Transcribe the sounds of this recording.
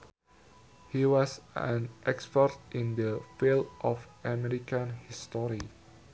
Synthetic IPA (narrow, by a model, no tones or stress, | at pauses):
hiwɔsɛ̰̃nʔɛkspətʔĩndəfildʔɔfʔamɛɾikə̃nhistɔɹi